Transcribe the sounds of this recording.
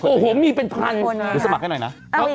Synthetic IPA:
oː˧˩ɦoː˨˩˦miː˧pe˧npʰa˧nɯː˧˩sa˧˩ma˨˩ha˥˩nɔ˨˩jna˦˥˧

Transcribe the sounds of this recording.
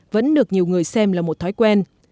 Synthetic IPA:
və̰˧˥nɗɨ˨˩ək̚ɲi˨˩əwŋɨ˨˩əjsɛ˧mlaː˨˩mo˨˩t̚t̪ʰɔ˨˦jkwɛ˧n

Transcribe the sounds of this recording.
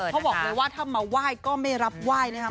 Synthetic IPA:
kɔ˦˥bɔː˨˩k̚lɤː˧jwaː˥˩t̪ʰaː˥˩maː˧˩waː˥˩jkɔː˥˩ma˥˩jɾa˦˥p̚waː˥˩jna˦˥kʰa˦˥

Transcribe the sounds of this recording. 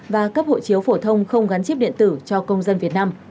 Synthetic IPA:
vaː˨˩kaː˦˥k̚ho̰˧˨t͡ɕi˨˦əwfo˧˩t̪ʰə˧wŋ͡mxə˧wŋ͡mɣa˨˦nt͡ɕi˦˥p̚ɗḭ˧˨ənt̪ɨ˧˩t͡ɕɔ˧kə˧wŋ͡mzə˧nvi˨˩ət̚naː˧m

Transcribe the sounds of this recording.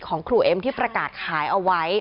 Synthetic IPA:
kʰɔː˩˦ŋkʰɾuː˨˩ʔe˧mt̪ʰiː˥˩pɾa˧kaː˨˩t̪̚kʰaː˩˦jʔa˧wa˦˥j

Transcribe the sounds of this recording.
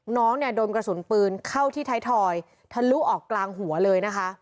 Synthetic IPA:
nɔː˦˥ŋni˥˩ɐdoː˧nkɾa˧su˩˦npɯː˧nkʰa˥˩wt̪ʰiː˥˩t̪ʰaː˦˥jt̪ʰɔː˧j | t̪ʰa˧˩lu˦˥ʔɔː˨˩kːlaː˧ŋɦu˨˩˦ɐlɤː˧jna˦˥kʰa˦˥ʔ

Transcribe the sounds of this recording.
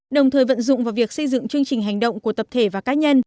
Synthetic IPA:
ɗə˨˩wŋ͡mt̪ʰəː˨˩jvə̰˧˨nzʊ̰˧˨ŋ͡mvaː˨˩wvi˨˩ək̚sə˧jzɨ̰˧˨ŋt͡ɕɨ˧əŋt͡ɕï˨˩ɦa˨˩jŋ̟ɗə̰˧˨wŋ͡mku˧˩ət̪ə˨˩p̚t̪ʰe˧˩vaː˨˩kaː˨˦ɲə˧n

